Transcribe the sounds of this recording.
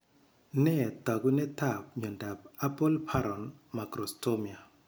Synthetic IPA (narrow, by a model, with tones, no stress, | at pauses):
nɛ˦˨t̪a˨ɡu˦nɛ˦ta˦˨p̚ɲɔ˨nda˨p̚a˦pɔ˦lpʰa˦ɾɔ˨nma˨ɡɾɔ˨sto˦mi˨a˨